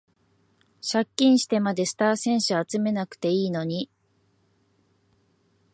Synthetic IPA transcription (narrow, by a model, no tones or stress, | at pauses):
ɕakʲːĩɰ̃ɕi̥t̪e̞mad̪e̞sɨ̥t̪aːsẽ̞ɰ̃ɕɨat͡sɨme̞nakɯ̟̥t̪e̞iːno̞ɲ̟i